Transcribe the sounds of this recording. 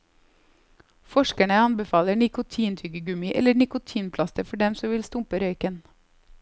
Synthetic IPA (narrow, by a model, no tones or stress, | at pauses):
fɔʃkæɳəɑnbəfɑːləɳɪkʊt̪ʰiːnt̪ʰʏɡəɡʉmɪʔɛ̰ləɳɪkʊt̪ʰiːnpʰlɑst̪əfɔɖɛmsɔʋɪlst̪ʊmpəɾœʏkən